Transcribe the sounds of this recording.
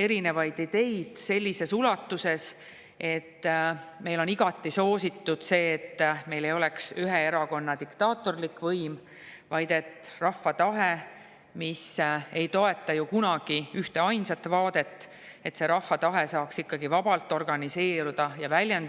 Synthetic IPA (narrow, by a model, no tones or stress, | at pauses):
e̞ɾine̞vɑjd̪̥id̪̥e̞jd̪̥se̞lʲːise̞sulɑt̪ːˑuse̞s | ʔe̞t̪ːme̞jlo̞niɡ̥ɑt̪ːˑiso̞ːsit̪ːud̪̥se̞ːt̪ːme̞jle̞jo̞leksyɦee̞ɾɑko̞nːɑd̪ikt̪ɑːt̪ːˑo̞rlikvɤjm | vɑjd̪̥e̞t̪ˑrɑfːɑt̪ɑɦe | mise̞jt̪o̞e̞t̪ːˑɑjukunɑɡ̥iyht̪e̞ɑjnsɑt̪ːvɑːd̪̥e̞t̪ː | e̞t̪se̞ɾɑfːɑt̪ɑɦe̞sɑːksikːɑɡivɑb̥ɑlt̪ːˑo̞rɡ̥ɑnise̞ːɾud̪̥ɑjɑvælʲjen